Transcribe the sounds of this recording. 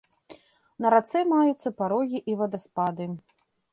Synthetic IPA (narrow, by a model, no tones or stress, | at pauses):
nɐɾat̪sɛmajut̪sːɐpaɾɔɣʲiʔivɐd̪ɐspad̪ɨ